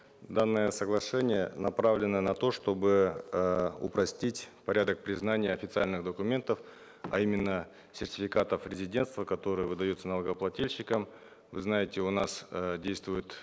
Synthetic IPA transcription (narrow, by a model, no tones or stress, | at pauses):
d̪anːɨjəsəɡlˠɐʂɛnʲɪjənɐpɾavlʲɪnːənɐt̪o̞ʂt̪o̞bɨ | ʊ̰pɾɐsʲtʲitʲpɐɾʲad̪ək̚pɾʲɪznanʲɪjəɐfʲɪt̪sɨalʲnɨxd̪əkʊmʲe̞nt̪əf | ɐ̰imʲɪnːə | sʲɪrtʲɪfʲɪkat̪əfɾʲɪzʲɪdʲe̞nt̪st̪vəkɐt̪o̞ɾɨjəvɨd̪ɐjut̪sənəlˠəɡəplˠɐtʲilʲɕːɪkəm | vɨ̰znajɪtʲɪʊnasdʲejst̪vʊjʊt̪